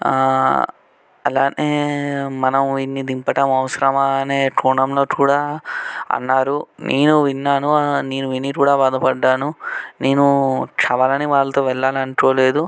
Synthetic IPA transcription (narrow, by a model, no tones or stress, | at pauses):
ɐlaːnʔeːmɐnɐmʋinːid̪impɐʈɐmɐʋɐsɐɾɐmɐne̞ːʈuːnɐmlo̞ːkuːɽaːɐ̰nːaːɾunʔeːnuʋinːaːnuneːnuʋinikuːɽaːbaːd̪ɐpɐɖːaːnuneːnukt͡ʃɐbɐlɐniʋaːɭːɐt̪o̞ːʋɛɭːaːlɐɳkoːle̞ːd̪u